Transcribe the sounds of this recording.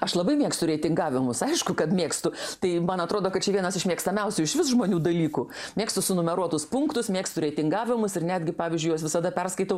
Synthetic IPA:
ɐʃlˠɐbɐɪmʲiɛkst̪ʊɾʲeːt̪ʲɪŋɡɑːʋʲɪmʊsɐɪʃkʊkɐt̪mʲeːkst̪ʊt̪ɐɪmɐnɐt̪ɾoːd̪oːkɐt̚t͡ʃʲɛʋʲiɛnɐsɪʃmʲiɛkst̪ɐmʲɛʊsʲʊɪʃʋʲɪsʒmoːnʲuːd̪ɐlʲiːkʊ | mʲeːkst̪ʊsʊnʊmʲɛɾuɔt̪ʊspʊŋkt̪ʊsmʲeːkst̪ʊɾʲeːt̪ʲɪŋɡɑːʋʲɪmʊsɪrnʲæːd̪ʲɡʲɪpɑːʋʲizʲd͡ʒʲʊjɐsʋʲɪsɐd̪ɐpʲɛrskɐɪt̪ɐʊ

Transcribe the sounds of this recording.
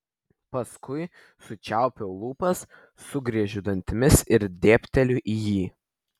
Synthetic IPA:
pɐskʰʊɪ | sʊt͡ʃʲæˑʊpʲoːlˠuːpɐsː | ʊɡɾʲiɛʒʲʊd̪ɐnʲt̪ʲɪmʲɪsɪɾd̪ʲeːpʲt̪ʲɛlʲʊʔiːjiː

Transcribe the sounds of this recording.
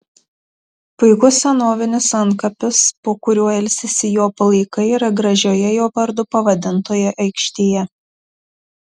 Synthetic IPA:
pʊɪkʊsʲɛnoːʋʲɪnʲɪsɐŋkɐpʲɪspoːkʊɾʲuɔɛlʲsʲɪsʲɪjoːpɐlˠɐɪkɐɪiɾɐɡɾɐʒʲoːjɛjoːpɐɾd̪ʊpɐʋɐd̪ʲɪnt̪oːjɛʔɐɪkʃʲt̪ʲeːjɛ

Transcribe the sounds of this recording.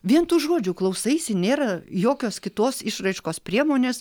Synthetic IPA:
ʋʲiɛnt̪uːʒoːd͡ʒʲʊklˠɐʊsɐɪsʲɪnʲeːɾɐjoːkʲoːskʲɪt̪oːsɪʃrɐɪʃkoːspʲɾʲiɛmoːnʲeːs

